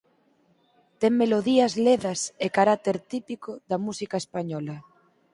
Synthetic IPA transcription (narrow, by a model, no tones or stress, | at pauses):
t̪eŋmeloðiɐzleðɐsekaɾak̚t̪eɾt̪ipikoðɐmusikaespaɲɔlɐ